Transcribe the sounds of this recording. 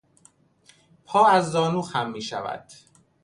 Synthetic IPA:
pʰɒːæzːɒːnuːxhæmːiːʃævæ̰d̪̥

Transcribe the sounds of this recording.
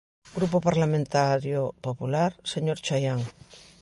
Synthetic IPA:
ɡɾupopaɾlamẽnt̪aɾjopopulaɾseɲoɾt͡ʃajaŋ

